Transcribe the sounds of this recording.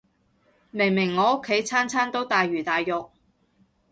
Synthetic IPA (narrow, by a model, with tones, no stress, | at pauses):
mɪ˨˩ŋmɪ˨˩ŋːɔː˨˧ʊ˥kʰːe˨˥jt͡sʰaː˥nt͡sʰaː˥nt̪o˥wt̪aː˨jɥyː˨˩t̪aː˨jːɔ˨k̚